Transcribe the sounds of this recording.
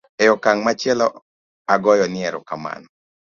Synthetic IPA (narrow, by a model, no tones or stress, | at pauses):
ɛjɔkaŋmat͡ʃɛlɔ | aɡɔjɔnɪɛɾɔ̰kama̰nɔ